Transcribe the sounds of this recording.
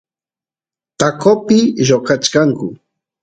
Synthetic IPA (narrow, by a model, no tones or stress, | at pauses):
t̪akopɪʒokat͡ʃkaŋkʊ